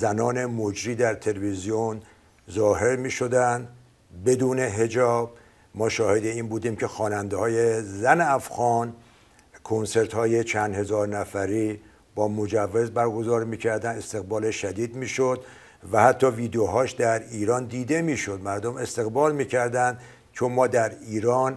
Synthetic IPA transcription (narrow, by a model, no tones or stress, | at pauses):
zænɒːne̞mod͡ʒɾiːd̪æɾt̪ʰe̞levizion | zɒːɦe̞ɾmiːʃo̞d̪ænd̪ | be̞d̪uːne̞ɦe̞d͡ʒɒːb̚ | mɒːʃɒːhe̞d̪e̞iːnbuːd̪iːmcʰe̞xɒːnænd̪ehɒːje̞zæneæfɣɒːn | kʰonse̞ɾt̪hɒːje̞t͡ʃʰænd̪he̞zɒːɾnæfæɾiː | b̥ɒːmod͡ʒævːe̞zbæɾɡo̞zɒːɾmiːkcʰæɾd̪æne̞st̪e̞ɣbɒːleʃæd̪iːd̪miːʃod̪ | væhæt̪ʰːɒːviːd̪eoɦɒːʃd̪æɾiːɾɒːnd̪iːd̪e̞miːʃo̞d̪mæɾd̪ome̞st̪e̞ɣbɒːlmiːcʰæɾd̪ænd̪ | t͡ʃʰonmɒːd̪æɾiːɾɒːn